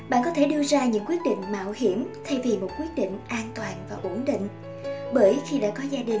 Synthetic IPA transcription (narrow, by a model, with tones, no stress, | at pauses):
ɓa̰ː˧˨nkɔ˨˦t̪ʰe˧˩ɗɨ˧əzaː˧ɲɨ̰˧˥ŋkwət̚ɗḭ˧˨ŋ̟ma̰ː˧˨whi˧˩əmt̪ʰɛ˧jvi˨˩mo˨˩t̚kwət̚ɗḭ˧˨ŋ̟ʔaː˧nt̪waː˨˩nvaː˨˩ʔo˧˩˦nɗḭ˧˨ŋ̟ | ɓəː˧˦jxi˧ɗa̰ː˧˥kɔ˨˦zaː˧ɗï˨˩ŋ